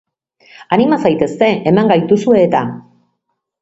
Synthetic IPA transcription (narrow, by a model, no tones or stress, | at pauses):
animasajt̪e̞st̪e̞ʔemaŋɡajt̪usue̞ːt̪a